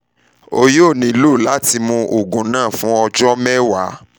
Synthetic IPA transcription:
o˧jo˦˨nĩ˨˦lo˦˨la˨˦ti˧mũ˧ʔo˨ɡũ˨nãː˦˨fũ˨˦ɔ˧d͡ʒɔ˦mɛ˦wa˨˦

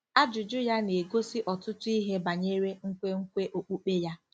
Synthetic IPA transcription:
a˦d͡ʒʊ˨d͡ʒʊ˦ja˦ne˨ɡo˦sɪ˦ʔɔ˨tʊ˦tʊ˦i˦ɦe˦ba˨ɲe˦ɾe˦ŋ̩˦kʷe˦ŋ̩˦kʷe˦ʔo˨k͡pu˦k͡pe˦ja˦

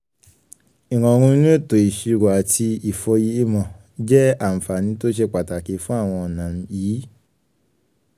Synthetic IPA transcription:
i˨ɾ̃ã˨˧ɾ̃ũ˧i˦nũ˦e˦˨to˨i˨ʃi˧ɾo˨a˨tʰi˧i˨fɔ˧ji˦i˦mɔ̃˨ | d͡ʒɛ˦a˦˨m̩˨fa˨nĩ˨˦to˦ʃ̬ɛ˧k͡pa˨ta˨ke˨˦fũ˦a˦˨w̃ɔ̃˧ɔ˨nã˨˧jiː˨˦

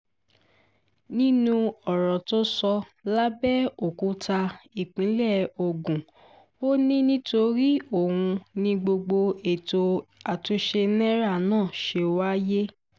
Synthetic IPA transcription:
nĩ˦nũ˦˧ɔ˨ɾɔ˨to˦sɔ˧la˦bɛ˦o˦˨ku˨˦ta˧i˨k͡pĩ˨˦lɛ˦˨o˧ɡũ˨ | o˦nĩ˦nĩ˦to˧ɾi˦o˦˨hũ˧nĩ˧ɡ͡bo˧ɡ͡bo˧e˨to˧a˨tu˧ʃe˧nɛ̃˦ɾa˦˨nãː˦˨ʃe˧wa˦je˦

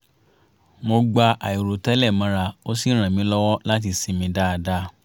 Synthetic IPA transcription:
mo˧ɡ͡ba˧ʔa˨i˨ɾo˨tɛ˦lɛ˦˨mã˧˦ɾa˧o˦si˦ɾ̃ã˨mĩ˨˦lɔ˦wɔ˦la˦t̬i˧si˨˦mĩ˧˦da˦˧da˦

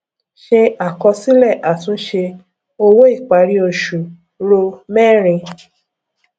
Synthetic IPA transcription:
ʃe˧a˦˨kɔ˧si˦lɛ˦˨ʔa˨tũ˨˦ʃe˧ | o˧wo˦i˦˨k͡pa˨˦ɾi˦o˧ʃu˨ | ɾo˧mɛː˦˨ɾ̃ĩ˧

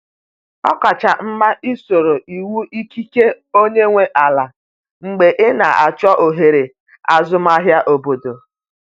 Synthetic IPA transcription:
ɔ˦ka˨t͡ʃa˨m̩˦ma˦ʔi˦so˨ɾo˨ʔi˨wu˦ʔi˦ki˦ke˦ | o˦ɲe˦ŋʷe˦ʔa˨la˨ | ŋ͡m̩˨ɡ͡be˨ʔɪ˦na˨ʔa˨t͡ʃɔ˦ʔo˨ɦe˨ɾe˨ | a˨zʊ˦ma˦ɦja˦ʔo˨bo˨do˨

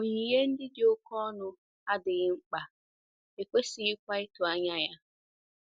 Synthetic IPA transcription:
ʊ˨ɲi˨je˦n̩˦dɪ˦dɪ˨o˦kɔ˦nʊ˨ | a˦dɪ˨ɣɪ˦ŋ͡m̩˦k͡pa˨ | e˨kʷe˦sɪ˨ɪ˦kʷa˦ɪ˦tʊ˨a˦ɲa˦ja˦

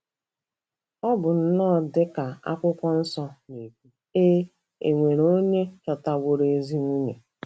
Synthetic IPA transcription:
ɔ˦bʊ˨n̩˦nɔ˦˨dɪ˦ka˨a̰˦kʷʊ˦kʷɔ˦n̩˦sɔ˦ne˨kʷu˦ | e˦ | ḛ˨ŋʷe˨ɾo˦ɲe˦t͡ʃɔ˨ta˦ɡʷo˦ɾe˨e˦zi˦nu˦ɲe˨

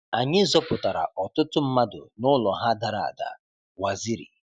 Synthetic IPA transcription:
a˨ɲɪ˦zɔ˦pʊ˨ta˨ɾa̰˨ʔɔ˨tʊ˦tʊ˦m̩˦ma˦dʊ̰˨nʊ˦lɔ˨ɦa˦da˨ɾa˨a̰˨da̰˨ | wa˨zi˦ɾḭ˨

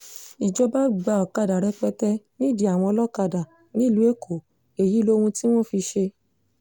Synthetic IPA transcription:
i˨d͡ʒɔ˧ba˦ɡ͡ba˧˨ɔ˨ka˧da˨ɾɛ˨˧k͡pɛ˧tɛ˦nĩ˦˨di˧˦a˨w̃ɔ̃˧ɔ˧lɔ˦ka˧da˨ | nĩ˨˦˨lu˨˦e˦kʰo˨ | e˨ji˨˦lo˦hũ˧ti˦w̃ɔ̃˦˨fi˧ʃe˧

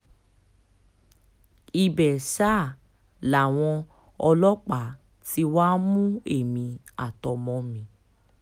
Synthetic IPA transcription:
i˧˨bɛ˨sa˦˨ | la˨w̃ɔ̃˧ | ɔ˧lɔ˦k͡pa˨ | ti˧waː˦mũ˦e˦˨mĩ˧ | a˨tɔ˨mɔ̃˧mĩ˧˦

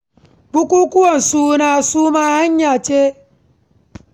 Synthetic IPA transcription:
k͡pu˦ku˦ku˦o˦˨n̩˨su˦na˨a˨su˦ma˦ha˦ɲ˦ɲa˨t͡ʃe˦

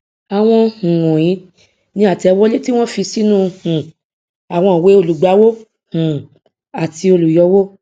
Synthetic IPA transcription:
a˨w̃ɔ̃˧h̩˨wũ˨j̃ĩ˨˦ | nĩ˦a˨tɛ˨˧˦wɔ˦le˦ti˦w̃ɔ̃˦fi˧si˦nũ˦˧hũ˨ | a˨w̃ɔ̃˧˨we˨˦o˦˨lu˨ɡ͡ba˨˦wo˦ | hũ˨ | a˨ti˧o˧lu˨jɔ˧˦wo˦

